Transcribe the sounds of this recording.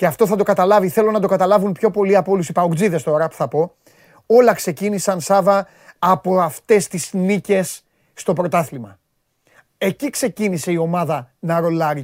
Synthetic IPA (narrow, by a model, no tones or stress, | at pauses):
ce̞ɐft̪o̞θɐd̪o̞kɐt̪ɐlɐviθe̞lo̞nɐd̪o̞kɐt̪ɐlɐvunpço̞po̞liɐpoo̞lusipɐokd͡ziðe̞st̪o̞ɾɐpu̥θɐpo̞ | o̞lɐkse̞cinisɐnsɐvɐ | ɐpo̞ɐft̪e̞st̪iznice̞sː | t̪o̞pɾo̞t̪ɐθlimɐ̰ | e̞cikse̞cinise̞io̞mɐðɐnɐɾo̞lɐɾi